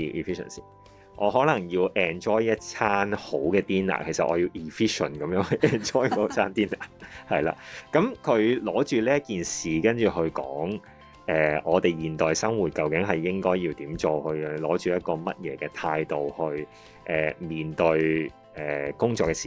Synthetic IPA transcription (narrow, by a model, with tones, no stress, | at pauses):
i˧ʔi˨fi˥ʃə̰˨˩nsḭː˨ | ʔɔː˨˧ɦɔː˨˥lɐ˨˩ŋjiː˧wʔɛː˨nt͡ʃɔː˥jjɐ˥t̚t͡sʰaː˥nho˨˥wkɛː˧t̪iː˥na̰ː˨˩kʰe˨˩jsɐ˨t̚ʔɔ̰ː˨˧jiː˧wiː˨˩fiː˥ʃə˨˩nkɐ˨˦mjœː˨˥ŋhɵ˨˧ɛː˨nt͡ʃɔː˥jt͡sʰaː˥nt̪iː˥naː˨˩hɐ˨jla̰ː˧kɐ˨˥mkʰɵ˨˧ɥlɔː˨˥t͡ʃyː˨liː˥ɐ˥t̚kiː˨˩nsiː˨kɐ˥nt͡ʃyː˨˩ɦɵ˧ɥkɔː˨˥ŋ | ʔɛː˨˩ʔɔː˨˧t̪e˨jjiː˨˩nt̪ɔː˨jsɐ˥ŋwuː˨˩t̚kɐ˨˧wkɪ˨˥ŋɦɐ˨jːɪ˥ŋkɔː˥jiː˧wt̪iː˨˥mt͡ʃo˨˧whɵ˧ɥlɔː˨˥t͡ʃyː˨jɐ˥t̚kɔː˧mɐ˥t̚jɛː˨˧˥kɛː˧t̪ʰaː˧jt̪o˨whɵ˧ɥ | ʔɛ̰ː˨miː˨˩nt̪ɵ˧ɥ | ɛː˨˩kʊ˥ŋt͡ʃɔː˧kːɛ˧siː˨˩